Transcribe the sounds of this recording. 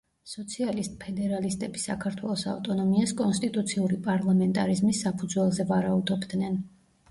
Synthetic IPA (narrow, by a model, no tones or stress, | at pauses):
sɔt̪sʰialist̪ʼpʰɛd̪ɛɾalist̪ʼɛbisa̰kʰaɾt̪ʰwɛlˠɔsa̰vt̪ʼɔnɔmiaskʼɔnst̪ʼit̪ʼut̪sʰiuɾipʼaɾlˠamɛnt̪ʼaɾizmisːapʰud̪zwɛlˠzɛvaɾaud̪ɔbd̪nɛn